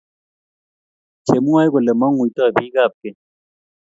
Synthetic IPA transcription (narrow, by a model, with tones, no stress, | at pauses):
t͡ʃe˨mu˦wa˦jɡo˨le˨ma˦ŋu˨˦tɔ˦˨bi˦ɡa˦˨p̚ke˨